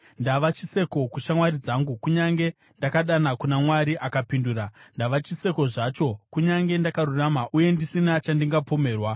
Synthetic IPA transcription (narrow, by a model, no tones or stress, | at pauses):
ndaʋat͡ʃise̞ko̞kuʃamwaɾid͡zaŋɡukuɲaŋɡe̞ | ndakaɗanakunamwaɾiʔakapinduːrandaʋat͡ʃise̞ko̞ʐat͡ʃo̞kuɲaŋɡe̞ndakaɾuramaʔuje̞ndisinat͡ʃandiŋɡapo̞me̞ːrwa